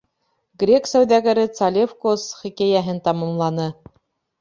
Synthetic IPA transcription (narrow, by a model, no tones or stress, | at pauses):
ɡrʲe̞ksæwðæɡɘ̆ɾɘt̪salʲefkosχikʲæjæɦɘnt̪ɑmɑmlˠɑnɤ